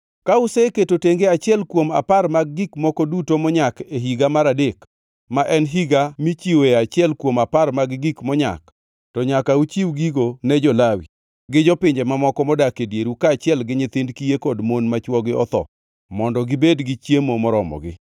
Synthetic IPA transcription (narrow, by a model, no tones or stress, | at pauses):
kaʊseketoteŋɡeat͡ʃɪɛlkwoma̰parmaɡːikmɔkɔdutomɔɲakeɦiɡamaɾadek | maʔɛnɦiɡamit͡ʃiwoeat͡ʃɪɛlkwomaparmaɡɡikmɔɲa̰k | tɔɲakaut͡ʃiwɡiɡonɛd͡ʒɔlawḭ | ɡɪd͡ʒɔpɪɲd͡ʒɛmamɔkɔmɔdakedjeɾukaːt͡ʃɪɛlɡɪɲɪt̪ɪndkijekɔdmonmat͡ʃwɔɡɪɔ̰t̪ɔ̰ | mɔndɔɡɪbedɡɪt͡ʃjemomɔɾɔmɔ̰ɡɪ̰